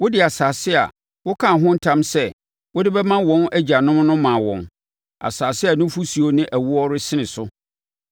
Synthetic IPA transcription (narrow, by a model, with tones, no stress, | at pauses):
wʊ˦dɪ˦˨a˨saː˨sɪ˦a̰˨ | wʊ˦kʰã˨ɦʊ̃˦n̩˦tʰã˦msɛ˦ | wʊ˦dɪ˦bɛ˦mã˦wɔ̃˦næ˦d͡ʑa˨nʊ̃˦m˦nʊ̃˦mã˨wɔ̰̃˨n | a̰˨saː˨sɪ˦a˨nʊ̃˦fu˦si˨o˦nɪ̃˦ʔæ˨wu˦ɔ˦ɾɪ˦sɪ˦nɪ̃˨sʊ˦